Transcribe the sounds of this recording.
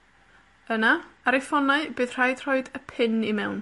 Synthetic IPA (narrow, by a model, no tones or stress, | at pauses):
ənaaɾɪfɔnaɨbɨːð̥r̥ajd̥r̥ɔɨdəpʰɪnimɛwn